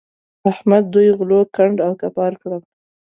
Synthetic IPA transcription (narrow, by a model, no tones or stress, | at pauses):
ahmad̪̚ːujɣlokaɳɖawkapɑɾkɽəm